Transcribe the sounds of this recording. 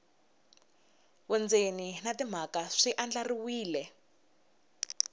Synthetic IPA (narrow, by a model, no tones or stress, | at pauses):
wɛnd͡zeninatim̤akaʂiʔand͡ɮariwiːlɛ